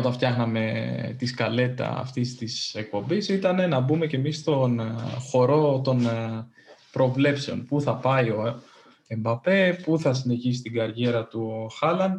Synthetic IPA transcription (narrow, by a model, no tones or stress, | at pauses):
ot̪ɐnft̪çɐxnɐme̞t̪iskɐle̞t̪it̪ɐ̰ɐ̰ft̪ist̪isek̚po̞mbisit̪ɐne̞nɐbume̞ce̞misst̪o̞nxo̞ɾo̞t̪o̞n | pɾo̞vle̞pse̞o̞npuθɐpɐio̞ | e̞mbɐpe̞puθɐsine̞çis̬i̥t̪iɡɐɾʝe̞ɾɐt̪uxɐlɐn